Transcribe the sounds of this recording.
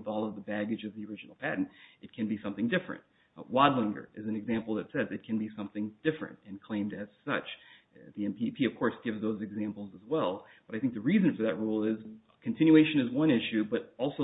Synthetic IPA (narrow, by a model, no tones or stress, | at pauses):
vɔlˠʌvðəbæɡɨd͡ʒʌvðiə˞ɪd͡ʒɨn̩l̩ˠpʰæʔn̩tʔɨt̚kʰɨ̃nbisʌ̃mθɪ̃ŋdɪfɹɨ̰̃nt̚ | wɑdˡlɪ̃ŋɡə̰˞ʔɨzn̩ɨɡzæ̃mpl̩ˠðɨtsɛzɨt̚kʰɨ̃nbisʌ̃mθɪ̃ŋd̥ɪfɹɨ̰̃ntɨ̃nkʰl̥ẽɪ̃mdɨz̥sʌt͡ʃ | ðiɛ̃npipʰiʌv̥kʰɔɹsɡ̥ɪvzðoʊzɨɡzæ̃mpl̩ˠzəzwɛlˠ | b̥ʌɾaɪθɪ̃ŋk̚ðɨɹizɨ̃nfə˞ðɨt̚ɹulˠɪz | kʰɨ̃n̩tʰɪ̃njʉeɪʃɨ̃nɨzwʌ̃nɪʃʉbʌɾɔlˠsoʊ